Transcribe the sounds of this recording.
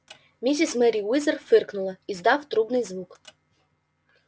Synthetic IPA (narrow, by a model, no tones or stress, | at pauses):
mʲis̬ʲismɛɾʲiwɪzɐrfɪrknʊlˠɐizd̪ɑwt̪ɾubnɪjzʋuk